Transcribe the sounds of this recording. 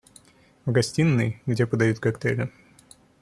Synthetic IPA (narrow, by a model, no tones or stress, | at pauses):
vɡɐsʲtʲinːɨjɡdʲepəd̪ɐjut̪kɐkt̪ɛɾʲɪ